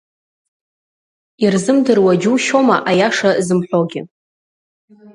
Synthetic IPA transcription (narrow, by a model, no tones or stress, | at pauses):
irzɨmdɨrwad͡ʒuʃo̞maʔajaʂazɨmħʷᶣoɡʲɪ̰